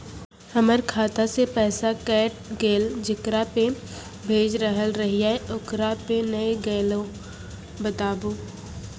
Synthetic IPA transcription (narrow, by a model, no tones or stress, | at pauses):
həməɾkʰaːt̪asepɛːsakɛːʈ̚ɡeːld͡ʒɪkɾape | bʱeːd͡ʒɾəɦəlɾəɦijaʊkɾapenəeɡeːlo | bət̪aːbuː